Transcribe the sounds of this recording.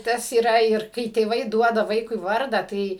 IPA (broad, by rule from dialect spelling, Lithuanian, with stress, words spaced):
ˈtɐs iːˈrɐ ɪr ˈkɐɪ tʲeːˈʋɐɪ ˈduɔdɐ ˈʋɐɪkʊɪ ˈʋɐrdɐ ˈtɐɪ